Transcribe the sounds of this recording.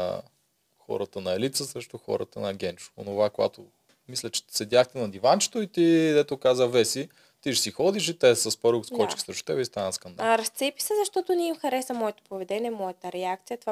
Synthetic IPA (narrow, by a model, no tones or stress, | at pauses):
xɔ̰ɾət̪ənɐɛlit̪səsɾɛʃt̪ʊxɔ̰ɾə̰t̪ənɐɡʲɛnt͡ʃʊ̥o̰novakoɡa̰t̪o | mislʲət͡ʃɛ̥sɛd̪jaxt̪ɛnɐd̪ivant͡ʃɛ̥t̪oit̪id̪ɛt̪ʊkazəvɛsi | t̪iʃsixɔd̪iʃ̬it̪ɛsəspəɾukskɔt͡ʃi̥xsɾɛʃt̪o̥t̪ɛbɛist̪anəskɐnd̪a̰ɾɐst̪sɛpi̥sɛzɐʃt̪ɔt̪ʊnɛimxɐɾɛsɐmɔɛt̪o̥povɛd̪ɛnʲiɛmɔjɛt̪əɾɛak̚t̪sijət̪ova